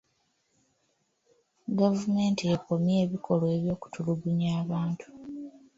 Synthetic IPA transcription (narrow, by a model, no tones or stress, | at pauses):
ɡavume̞ːntieko̞mje̞ːβikʰo̞lwe̞ːβjo̞ːku̥tʰuluɡuɲaːβaːntʰu̥